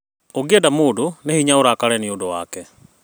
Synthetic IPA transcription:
oɡedamoːdonehiɲaoɾakaɾɛniodowaːkɛ

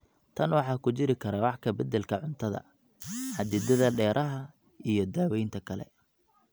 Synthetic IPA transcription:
t̪ʰɐnwɑħɑːkʰʊt͡ʃɪɾɪkʰɐɾɐwɑħkʰɐbɐd̪ɛlkʰɐʕʊnt̪ʰɐðɐ̰ | ħɐd̪ɪd̪ɐðɐɖɛːɾʔɐɦɐ | ijɞd̪aːwɛjnt̪ʰɐkʰɐlɛ̰

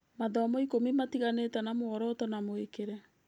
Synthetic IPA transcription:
maðɔmɔikomimatiɣaneːtanamoɔɾɔtɔnamoekeɾɛ

